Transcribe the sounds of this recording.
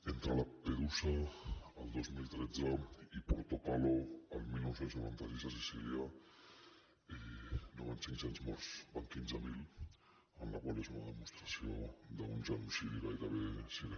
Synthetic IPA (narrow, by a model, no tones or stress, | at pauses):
ent̪ɾalapeɾusaald̪ozmilt̪ɾed͡zaipoɾt̪okaloalmenozelsnoβant̪aɾisasisilja | enoβansinsenzmoɾsbaŋkinzamil | anlakwalesunaðemust̪ɾasjod̪aunʒanusiβikajkaβesiβ